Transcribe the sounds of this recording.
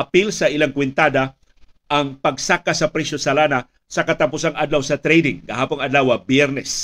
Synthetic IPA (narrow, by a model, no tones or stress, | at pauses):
apilsɐʔilaŋkwɪnt̪aːd̪a | ʔaŋpɐɡsakasɐpɾɛsosalaːna | sɐkat̪apusaŋʔad̪lawsɐt̪ɾɛjd̪ɪŋɡɐɦaːpʊŋɐd̪lawabjɛɾnɛs